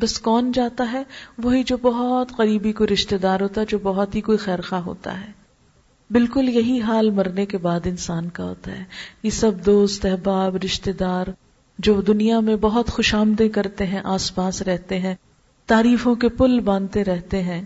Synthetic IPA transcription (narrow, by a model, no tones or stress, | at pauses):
bɐskɔːnd͡ʒaːt̪aɦɛʋoɦid͡ʒoːbɐɦɔt̪qɐɾiːbikoiɾɪʃt̪ed̪aːɾɦoːt̪aɦɛd͡ʒoːbɐɦɔt̪ɦikoːixɛːɾxaːɦo̰ːt̪a̰ɦɛː | bɪlkʊljɐɦiɦaːlmɐɾnekebaːd̪ɪnsaːnkaɦo̰ːt̪a̰ɦɛːjesɐb̚d̪oːst̪ɛɦbaːbɾɪʃt̪ed̪aːɾ | d͡ʒoːd̪ʊnijamẽbɐɦɔt̪xʊʃaːmd̪ẽkɐɾt̪eɦɛ̃ʔaːspaːsɾɛɦt̪eɦɛ̃ː | t̪aːɾiːfõkepʊlbãːnt̪eɾɛɦt̪eɦɛ̃ː